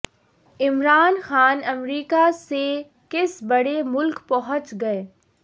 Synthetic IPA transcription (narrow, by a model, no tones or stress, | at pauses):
ɪmɾaːnxaːnɐmɾiːkase | kɪsbɐɽemʊlkpɐɦə̃t͡ʃɡɐeː